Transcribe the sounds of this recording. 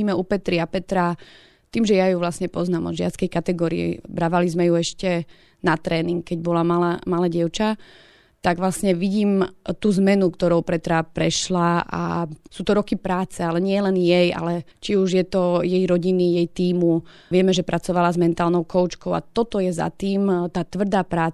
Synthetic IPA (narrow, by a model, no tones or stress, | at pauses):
iːmɛupɛt̪ɾiapɛt̪ɾa | t̪iːmʒɛjajuʋlasɲɛpɔznaːmɔ̰d̪ʒɪa̰t̪t͡skɛjkat̪ɛɡɔːɾḭɛ̰bɾaʋalizmɛjuɛʃcɛ | nat̪ɾɛːniŋkkːɛɟbɔlamalamalɛːɟɪɛʊt͡ʃa | t̪aɡʋlasɲɛʋiɟiːmt̪uːzmɛnukt̪ɔɾɔʊpɾɛt̪ɾapɾɛʃlaʔa̰suːt̪ɔɾɔkipɾaːt͡sɛalɛɲɪɛlɛnjɛja̰lɛ | t͡ʃiuʒjɛt̪ɔjɛjɾɔɟinijɛjt̪iːmu | ʋɪɛmɛʒɛpɾʔat͡sɔʋalazmɛnt̪aːlˠnɔʊkɔʊt͡ʃkɔʊa̰t̪ɔt̪ɔjɛza̰t̪iːmt̪aːt̪ʋr̩d̪aːpɾaː